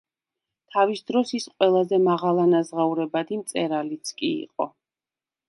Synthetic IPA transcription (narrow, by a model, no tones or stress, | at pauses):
t̪ʰavisd̪ɾɔsisqʼwɛlˠazɛmaʁalˠanazʁauɾɛbad̪imt̪sʼɛɾalit̪sʰkʼḭḭqʼɔ̰